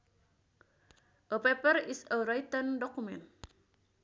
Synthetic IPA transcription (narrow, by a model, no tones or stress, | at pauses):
ʔəpɛpərisəɾajt̪əndɔkumɛn